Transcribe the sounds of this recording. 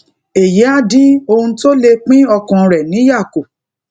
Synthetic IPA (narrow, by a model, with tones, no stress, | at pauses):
e˨je˨˦a˦˨dĩ˦o˧hũ˧to˦le˧k͡pĩ˦ɔ˧kã˧ɾɛ˨nĩ˨˦ja˦˨ko˨